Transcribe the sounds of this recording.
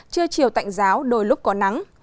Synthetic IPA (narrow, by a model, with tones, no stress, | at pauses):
t͡ɕɨ˧ət͡ɕi˨˩əwt̪a̰˧˨jŋ̟zaː˨˦wɗo˧˩jlʊ˦˥k͡p̚kɔ˨˦na˨˦ŋ